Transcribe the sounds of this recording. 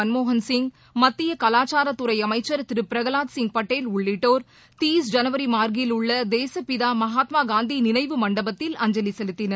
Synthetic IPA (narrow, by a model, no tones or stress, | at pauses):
ɐnmoːɦɐnsɪŋɡ | mɐt̪ːɪjɐkɐlaːt͡ʃaːɾɐt̪ːʊɾɐɪɐmɐɪt͡ʃːɐɾt̪ɪɾɯpɪɾɐɣɐlaːt̪sɪŋɡ̚pɐʈːeːlʊɭːɪʈːoːɾ | t̪iːsd͡ʒɐnɐʋɐɾimaːɾɡɪlʊɭːɐd̪eːsɐpɪðaːmɐɦaːt̪maːɡaːnd̪inɪnɐɪʋɯmɐɳɖɐbɐt̪ːɪlɐɲd͡ʒɐlisɛlɯt̪ːɪnɐɾ